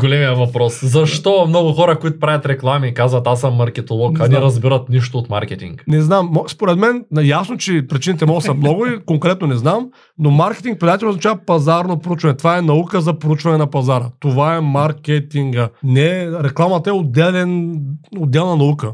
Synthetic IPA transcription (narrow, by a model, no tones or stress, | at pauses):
ɡolɛmijəvɐpɾɔszɐʃt̪ɔmnɔɡʊxɔɾɐkoit̪ʊpɾavʲɐt̪ɾɛklˠamiːkazvɐt̪asɐmːɐɾkɛt̪olˠɔkɐniɾɐzbiɾɐt̪niʃt̪oːt̪ma̰ɾkʲɛt̪ḭŋknɛznamːɔspoɾɛt̪mɛnɐjasnot͡ʃɛpɾit͡ʃinit̪ɛmɔɡsɐmnɔɡʊikoŋkɾɛt̪̚nonɛznam | nomaɾkɛ̥t̪iŋk̚pɾʲid̪at̪ɛlnozɐt͡ʃavɐpɐzaɾnopɾut͡ʃvɐnɛt̪ovaɛnɐukəzɐpoɾut͡ʃvɐnɛnɐpɐzaɾət̪ovaɛmaɾkʲɛt̪iŋɡənɛɾɛklˠamɐt̪əɛod̪ːɛlɛnod̪ːɛlˠnɐnɐukə